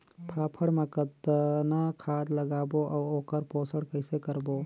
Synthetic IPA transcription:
pʰaːpʰəɽmẽkət̪nakʰaːd̪ləɡaːboʔaːoːkəɾpoːsəɽkəɪsekəɾboː

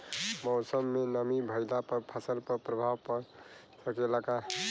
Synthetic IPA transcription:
mɔʊsəmːenəmibʱəɪlapəɾpʰasəlpəɾpɾəbʱawpəɾ | səkelaka

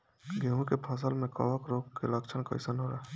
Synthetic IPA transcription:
ɡeɦũkepʰəs̬əlmẽkə̰ʋəkɾoːkkḛləkt͡ʃʰənkə̰ɪsənoːɾaː

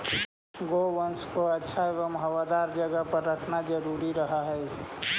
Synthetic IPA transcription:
ɡowənskoətːʃʰaeʋəmɦəwad̪aɾd͡ʒəɡəpəɾɾəkʰnad͡ʒəɾuɾiɾəɦaɦɛj

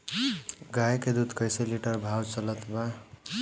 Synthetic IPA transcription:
ɡajked̪ud̪kəjseliʈəɾbʱawt͡ʃələt̪ba

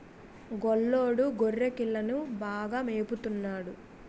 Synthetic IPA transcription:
ɡɔɭːoːɽuɡorːekiɭːɐnubaːɡaːmeːput̪unːaːɽu

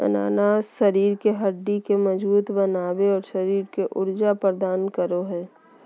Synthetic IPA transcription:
ə̰na̰ːnaːʃəɾiːɾkeɦəɖːikeməd͡ʒbuːt̪bənaːweɔːɾʃɐɾiːɾkeʔʊ̰ɾd͡ʒapəɾd̪aːnkəɾoɦɛː

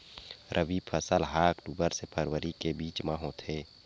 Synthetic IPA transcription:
ɾʔəʋipʰəsəlɦaːkʈubəɾsepʰəɾwəɾikebiːt͡ʃmaːɦõt̪ʰeː

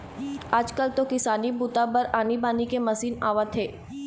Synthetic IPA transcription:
ɐd͡ʒkəlt̪okɪsaːnibuːt̪apəɾaːnibaːnikemɐsiːna̰ːʋət̪ʰeː

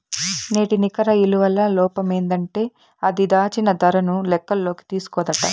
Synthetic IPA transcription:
ne̞ːʈinikɐɾɐiluʋɐlːɐlɔːpɐme̞ːnd̪ɐɳʈe̞ː | ɐd̪id̪aːt͡ʃinɐd̪ɐɾɐnulɛkːɐlːo̞ːki̥t̪iːsu̥kɔːd̪ɐʈɐ̰

